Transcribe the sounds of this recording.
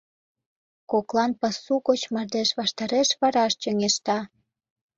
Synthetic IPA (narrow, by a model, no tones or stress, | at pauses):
koklɑnpɑsːukot͡ɕmɑrd̪eʃβɑʃt̪ɑɾeʃβɑɾɑʃt͡ɕøŋeʃt̪ɑ